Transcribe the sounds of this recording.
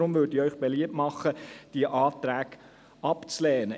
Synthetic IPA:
ɾʊmʋʏːdiœʏχb̥eliəpmɑχːəd̥iəʔɑːtɾæːɡ | ɑpt͡slɛːnə

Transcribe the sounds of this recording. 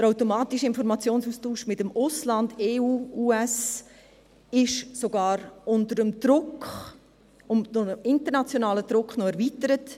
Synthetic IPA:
dəɾaʊtomɑːtiʃəɪnfɔɾmɑt͡sjoːnsuːstuːʃmɪtəmʊslɑndeːuːuːɛs | ɪʃsoɡɑːɾʊntəɾəmd̥ɾʊkχ | ʊmnoɪntəɾnɑt͡sjonaːləd̥ɾʊkχnɔɛɾviːtəɾət

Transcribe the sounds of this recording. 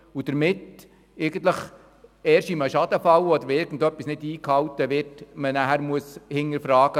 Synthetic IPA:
ud̥əɾmɪt | ɪɡ̥ən̩t̪ləχ | ɛːɾʃiməʃɑd̪əfɑwɔd̪əɾɪɾɡ̥ən̩dœpːisnɪdiːkhɑwtəʋɪtmənæɦæɾmuəshɪŋəɾfɾɑːɡ̥ə

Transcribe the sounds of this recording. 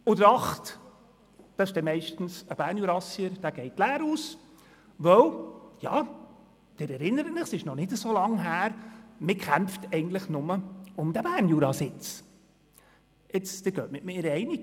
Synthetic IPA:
ʊd̪əɾɑχt | d̥ɑɪʃd̥ɛmɛɪʃtn̩səb̥æːɾnjuːɾɑsiəɾd̥æːɡ̥ɛɪtlæːɾuːs | ʋœwjɑ̰ː | d̥ɪɾɛɾɪnːəɾətɪχsɪʃnɔnɪdəsoːlɑŋɦæːɾmɪkʰæmftɛɪɡən̩t̪ləχnʊməʊmd̥̪æbæːrnjuːɾɑsɪt͡s | ɪt͡sd̥̪ɪɡ̥øːtmɪtmɪɾɛɪniɡ

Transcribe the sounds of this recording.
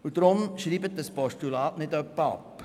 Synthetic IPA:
ud̪ɾʊmʃriːbət̚dəspɔʃtulɑːtnɪdœpːəɑ̰pː

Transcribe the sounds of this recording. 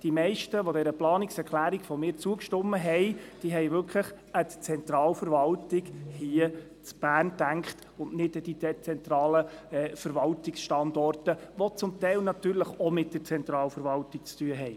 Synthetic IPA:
d̥imɛɪʃtəʋɔdɛɾəplɑːnɪksɛɾkʰlæːɾikfɔmɪːɾt͡suəkʃtɔmːəɦɛɪd̥iəɦɛɪvʏɾkʰləχ | ətt͡sɛnt̪ɾɑːlfəɾvɑltɪkhiə | t͡sb̥æːrntæŋkχt | ʊnnɪdəd̥̪iɛt͡sɛnt̪ɾɑːləɛfəɾʋɑltɪksʃtɑndɔrtəʋɔt͡sʊmt̪ɛɪlnɑt̪yːɾləχɔmɪt̚d̥ət͡sɛntɾɑːlfəɾvɑltɪk̚t͡styəɦɛɪ

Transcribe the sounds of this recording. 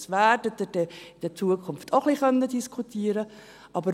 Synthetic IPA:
sʋæːdəd̪əd̥ɛɪd̥ɛt͡suːəkʰʊnftʰoχliχœntədiskʰutʰiːəɾə | ʔɑbə

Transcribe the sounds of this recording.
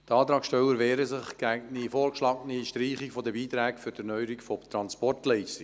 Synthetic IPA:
tɑːt̪ɾɑːkʃtɛlːəɾʋɛːɾəsɪχɡ̥ɛɡnifoːɾkʃlɑːɡəniʃtɾiːχikfɔdəbiːt̪ɾɛːkfʏɾd̥ənœʏəɾikfɔt̪ɾɑnspɔrtlɛɪsti

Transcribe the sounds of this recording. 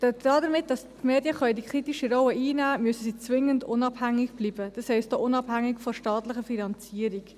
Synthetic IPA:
d̥ɛdɾɑːdəɾmɪt̚d̥ɑstmeːdjəχœʏdikʰɾitiʃiɾɔwəʔiːnæːmyøəsəsiːt͡svɪŋəndʊnɑb̥hæŋːɪɡb̥liːbəd̥ɑshɛɪstd̥oːʔʊnɑbhæŋːɪkfɔʃtɑːtlɪχəfinɑnt͡siːəɾik

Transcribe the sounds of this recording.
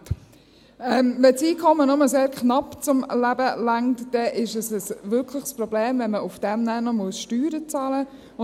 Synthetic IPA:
ɛmvɛt͡siːkʰɔmənɔməseːɾknɑpt͡sʊmlæbəlaŋtd̥ɛʔɪʃəsəsʋʏɾkʰlɪχsprɔbleːmvɛnməʊfd̥ɛmnæːnɔmʊəʃtyːɾət͡sɑːlə | ʊ

